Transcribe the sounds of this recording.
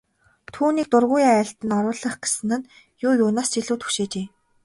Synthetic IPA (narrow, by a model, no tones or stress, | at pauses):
t̪ʰuːniːk̚t̪ʊrʁʊːjaːæːɬt̪ɘ̆nɔɾʊːɮə̆χɡesɘ̆nɘ̆n | jʊːjʊːnaːst͡ɕiɮuːt̪ʰu̥ʃeːt͡ɕeː